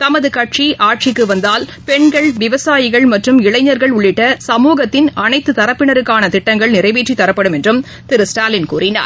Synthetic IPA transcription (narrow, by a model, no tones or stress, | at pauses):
t̪ɐmɐðɯkɐʈ̚t͡ʃiʔaːʈ̚t͡ʃɪkːɯʋɐnd̪aːlpɛɳɡɐɭʋɪʋɐsaːjɪɣɐɭmɐʈrɯmɪɭɐɪɲɐɾɣɐɭʊɭːɪʈːɐsɐmuːɣɐt̪ːɪnɐnɐɪt̪ːɯt̪ɐɾɐpːɪɳɐɾɯkːaːnɐt̪ɪʈːɐŋɡɐɭnɪrɐɪʋiːʈːit̪ːɐɾɐpːɐɽɯmɛndrɯm | t̪ɪɾɯsʈaːlɪnkuːrɪna̰ːɾ